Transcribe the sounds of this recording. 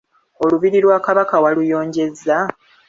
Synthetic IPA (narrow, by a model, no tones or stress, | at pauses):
o̞luβiɾiɾwaːkaβakawalujo̞ːɲɟe̞zːa